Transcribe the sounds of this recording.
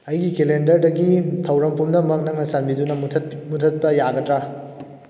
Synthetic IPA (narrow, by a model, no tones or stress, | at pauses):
ɐjɡikelendɐɾdɐɡitʰɐwɾɐmpumdɐmɐk̚nɐk̚nɐsanbidunɐmutʰɐt̚pɐjaɡɐtɾa